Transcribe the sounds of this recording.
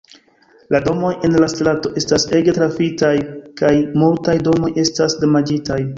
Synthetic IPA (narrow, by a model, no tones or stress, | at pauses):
lado̞mo̞je̞nlastlato̞ʔe̞stase̞ɡe̞tɾafitajkajmultajdo̞mo̞je̞stasdemad͡ʒitaj